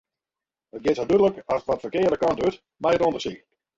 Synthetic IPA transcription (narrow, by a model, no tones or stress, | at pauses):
ət̚ɡɪtsɔdødələkɔsətʋɔtfərkɪədəkɔntyt | majətondəsik